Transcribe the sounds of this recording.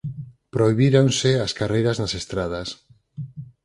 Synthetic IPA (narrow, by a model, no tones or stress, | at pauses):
pɾoiβiɾoŋsɪaskarejɾaznasest̪ɾað̞as